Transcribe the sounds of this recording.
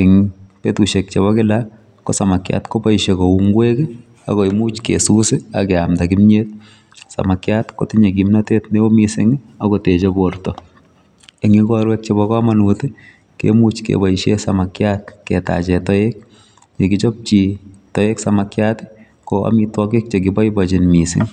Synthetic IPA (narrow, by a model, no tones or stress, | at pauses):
ɛŋpetuʃek̚t͡ʃebɔkɪla | kosamakja̰tkopɔʃekouŋɡwekɪ | a̰koimuːt͡ʃkḛsusɪa̰kɛamtakimɲet̚ | sa̰makjatko̰tiɲek̬imnateːtnebomisɪ̰ŋakotet͡ʃebortɔ | eŋikɔɾwɛk̚t͡ʃebɔkɔmanutɪ | kḛmut͡ʃkḛbɔʃesamakjat̚kɛta̰t͡ʃɛtɔek̚ | ɲekit͡ʃɔp̚t͡ʃitɔeksamakjaːtɪ̥ | koa̰mitwɔkik̚t͡ʃek̬ibɔjbɔt͡ʃɪnmisɪ̰ŋ